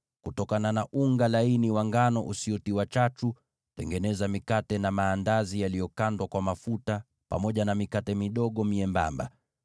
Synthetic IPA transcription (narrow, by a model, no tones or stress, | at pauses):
kutɔkananaʔuŋɡalainiwaŋɡanɔʔusiɔtiwat͡ʃatu | tɛŋɡɛnɛzamikatɛnamaːndazijalijɔkandwakwamafuta | pa̰mɔʄanamikatɛmiɗɔɠɔmiɛmba̰mba̰